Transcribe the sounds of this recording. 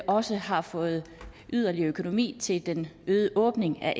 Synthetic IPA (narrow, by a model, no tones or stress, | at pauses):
ʔɒ̽səhɑ̈fɔ̽ːð̞̩ˠʔyð̰ˠɐliɐøkʰo̝no̝mḭːt͡sʰe̝ld̥enøːðˠəʔɔ̽ːb̥ne̝ŋæʔ